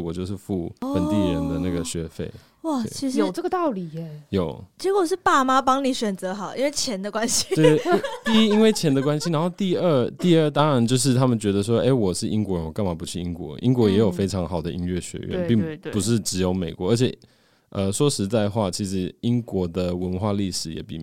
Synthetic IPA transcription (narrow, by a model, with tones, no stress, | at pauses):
wɔ˨˩t͡ɕjo˥˧ʊʂ̬ɻ̩˥˩fu˥˩ə˧nt̪i˥˩ɻə˧˦nd̪ə˨na˥˩ɡə˩ɕɥɛ˧˥fḛ˥˩ɪ | wa˥˩˥i˧˥ʂjo˨˥˨ʈ͡ʂə˥˩ɡə˧˩t̪ɑ˥˩ʊli˨˩˧jo˨˩ʊt͡ɕjɛ˧˥kwɔ˨˩ʂ̬ɻ̩˥˩pa˥˩ma˥pɑ˥ŋni˨˩˦ɕɥɛ˨˩nt͡sɤ˧˦xɑ˨˩ʊʔḭ˥nwe˥˩ɪt͡ɕʰjɛ˧˥nd̪ə˨kwa˦˥nɕi̥˧˥t̪i˥˩i˦˥i˥nwe˥˩ɪt͡ɕʰjɛ˧˥nd̪ə˨˧kwa˥˦nɕi˧na˧˥nxo˥˧ʊt̪i˥˧ə˥˧t̪i˥˧ə˥˩t̪ɑ˥ŋɻa˧˥nt͡ɕjo˥˧ʊʂ̬ɻ̩˥˩t̪ʰa˥mə˨nt͡ɕɥɛ˧˥d̪ə˨s̬wɔ˥ʔe˥˩ɪwɔ˨˩ʂɻ̩˥˩ʔi˥ŋkwɔ˧˥ɻə˦nwɔ˨˩ka˥˩nma˨˥˩pu˧˦t͡ɕʰy˥˩i˥ŋkwɔ̰˧˥ʔḭ˥ŋkwɔ˧˥jɛ˧˥jo˨˩ʊfe˥ɪʈ͡ʂʰɑ˧˥ŋxɑ˨˩ʊd̪ə˦i˥nɥɛ˥˩ɕɥɛ̰˧˥ɥɛ̰˧˦n˧pi˥˩ŋpu˧˥ʂɻ̩˥˩ʈ͡ʂɻ̩˧˥jo˧˥ʊme˨˩ɪkwɔ˧˦ə˞˧˥t͡ɕʰɛ˨˩ | ə˨ʂwɔ˥ʂɻ̩˧˥t͡sa˥˧ɪxwa˥˩t͡ɕʰi˧˥ʂɻ̩˧˥i˦˥ŋkwɔ˧˥d̪ə˧wə˧˥nxwa˥˧li˥˩ʂɻ̩˨˩˦jɛ̰˨˩pḭ˥˩